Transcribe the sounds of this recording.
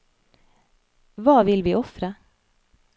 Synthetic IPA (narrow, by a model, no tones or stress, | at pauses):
ʋɑːʋɪlʋiːʔɔfɾə